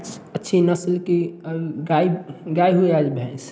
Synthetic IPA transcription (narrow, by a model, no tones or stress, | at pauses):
d͡ʒ | ətːʃʰinəslkiɡaiɡaːiɦueaːd͡ʒbʱɛ̃s